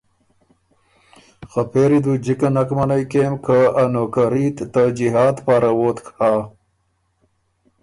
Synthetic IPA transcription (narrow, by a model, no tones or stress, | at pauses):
xɐpʰeːɾid̪ud͡ʑikɐnɐkmɐnajkemkaanokaɾit̪t̪ɐd͡ʑiɦaːt̪paːɾawoːt̪kʰaː